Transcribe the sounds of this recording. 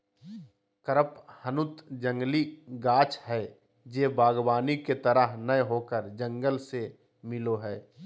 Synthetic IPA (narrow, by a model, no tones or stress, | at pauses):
kəɾəphənʊt̪d͡ʒə̃ŋɡliɡaːt͡ʃhɛː | d͡ʒeːbaːɡbaːniket̪əɾəɦnəjɦoːkəɾd͡ʒə̃ŋɡəlse | mɪloɦɛː